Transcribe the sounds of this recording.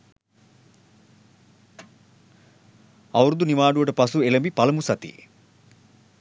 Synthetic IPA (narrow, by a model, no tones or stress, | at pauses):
ɐwɾud̪unimaːɖuʋəʈəpɐsuelɐmbipɐlɐmusɐt̪ḭ